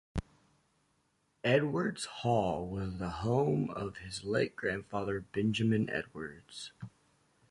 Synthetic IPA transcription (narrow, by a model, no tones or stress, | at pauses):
ɛd̚wə˞dz̥hɔlˠwʌzðəhõʊ̃mʌv̥ɪzleɪk̚ɡ̥ɹæ̃nd̥fɑðə˞bɛ̃nd͡ʒɨmɨ̃nʔɛ̰d̚wə˞dz̥